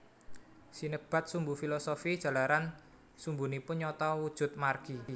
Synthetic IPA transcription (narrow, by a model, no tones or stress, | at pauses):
sinəb̥a̤t̪̚sumbufilɔsofid̥ʒ̥ä̤laɾan | sumbunipʊnɲɔt̪ɔwud̥ʒ̥ʊ̤t̪̚marɡ̥i